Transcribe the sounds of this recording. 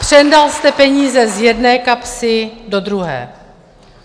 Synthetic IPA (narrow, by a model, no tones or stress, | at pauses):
pr̥ɛndalst̪ɛpɛɲiːzɛzjɛdnɛːkapsɪdo̞d̪ɾuɦɛ̰ː